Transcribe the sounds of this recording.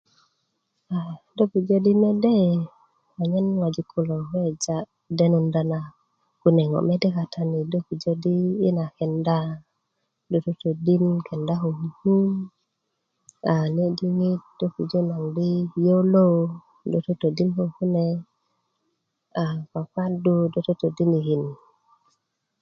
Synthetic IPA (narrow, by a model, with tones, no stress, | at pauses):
a˨do˦ku˨d͡ʒo˦di˦me˦de˦ | wa˨ɲe˦nŋa˨d͡ʒi˨kʰu˦˨lo˨he˦d͡ʒa˦ | de˦nu˨nda˨na˨ | ku˦ne˨ŋo̰˨me˦de˦ka˨tʰa˦ni˨do˦ku˨d͡ʒo˦diː˦na˨ke˨nda˦ | do˨to˦to˨di˦nke˨nda˦ɦo˨hu˨hu˦ | a˨ne˦di˦ŋi˦t̚d̥o˦ku˨d͡ʒo˦na˨ŋdi˦jo˦lo˦ | do˨to˦to˨di˦nho˨ku˦ne˦ | a˨ka˨ka˦du˦do˦to˦to˨di˦ni˨hi˨n